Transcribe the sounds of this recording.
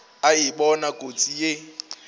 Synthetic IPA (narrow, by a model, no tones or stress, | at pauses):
aiɓɔnakʼot͡sʼije